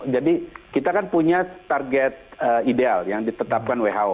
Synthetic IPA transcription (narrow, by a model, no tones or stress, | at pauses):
d͡ʒadikit̪akanpuɲat̪arɡɛt̪̚əidealjaŋdit̪ət̪ap̚kanweɦaw